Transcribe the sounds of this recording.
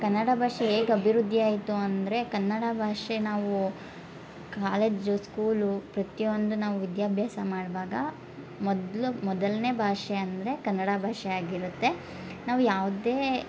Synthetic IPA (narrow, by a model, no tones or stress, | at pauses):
kɐnːɐɽɐbʱaːʂeeːɡɐbʱiɾud̪ʱːiaːjit̪uɐnd̪ɐɾe̞kɐnːɐɽɐbʱaːʂenaːʋu | kaːleːd͡ʒuskuːlupɾɐt̪ijo̞nd̪unaːʋuʋid̪jaːbʱjaːsɐmaːɽʋaːɡɐ | mɔd̪lumɔd̪ɐlne̞ːbʱaːʂeɐnd̪ɐɾe̞kɐnːɐɽɐbʱaːʂɛaːɡiɾut̪ːe̞ | naːʋujaːʋud̪e̞ː